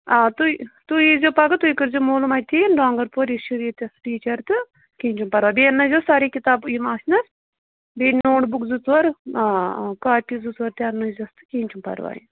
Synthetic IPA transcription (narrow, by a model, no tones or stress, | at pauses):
aːt̪ut̪uizoːpɐɡɐt̪uikɐɾzomoːlumaːt̪ʰinɖaːŋɡɐɾpoɾiʃuɾiːt̪ɐsʈiːt͡ʃɐɾt̪ɨ | kiːɲʲt͡ʃumpɐɾʋaːbiɐnːɐzoːsaːɾiːkit̪aːbuimaːsʲnɐɾ | biːnoːʈbukzut͡s̪ʋɐɾ | kaːpizut͡sʋɐɾt̪ʲaːnːuizɐst̪ɨ̥kiːɲʲt͡ʃumpɐ̰ɾʋa̰ːjḭ